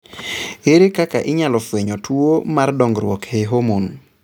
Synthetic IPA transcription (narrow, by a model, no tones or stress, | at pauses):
eɾekaka̰ʔɪɲalɔfweɲɔtʰwomardɔŋɡɾwɔkheɦomun